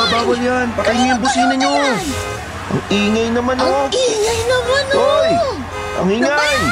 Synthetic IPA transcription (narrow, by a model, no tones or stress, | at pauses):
ɐbaːwɐljanpɐk̪ɐjɲojʊŋbʊsiːnɐɲo | ʔɐŋiːŋɐjnɐmanoŋajnɐmanoj | ʔɐ̰ŋiːŋaj